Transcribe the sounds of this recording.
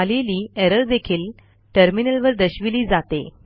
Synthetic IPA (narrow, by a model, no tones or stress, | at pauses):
aliliːeɾəɾd̪ekʰiːl | ʈəɾminəlʋəɾd̪əɕʋiliːd͡zat̪ḛ